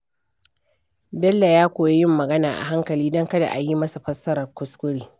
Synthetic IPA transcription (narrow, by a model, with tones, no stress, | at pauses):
bɛ˦lːa˨jaː˦kʷoː˨je˦jɪ˦mːɐ˨ɡɐ˦naː˨ʔa̰˨ɦa˦ŋkɐ˨liː˦dɔ˦ŋkɐ˦da̰˨ʔa˨ji˦mɐ˦sa˨ɸɐ˦sɐ˦ɾɐ˨rkʷʊ˦skʷʊ˦ɾiː˦